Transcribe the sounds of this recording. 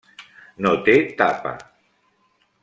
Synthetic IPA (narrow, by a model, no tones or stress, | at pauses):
not̪et̪apa̰